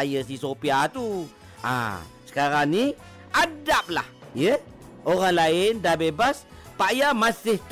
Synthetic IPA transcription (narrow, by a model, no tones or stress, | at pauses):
ajəsisopiat̪u | a̰sə̥kaɾaŋni | ʔadap̚la̰h | jə | ʔoɾaŋlaɪndahbebas | paʔjamasɪht̪